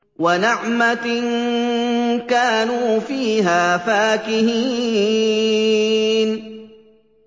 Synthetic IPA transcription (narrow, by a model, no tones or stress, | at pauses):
wanɪʕman | kaːnuːfiːɦaːfaːkɪhiː | n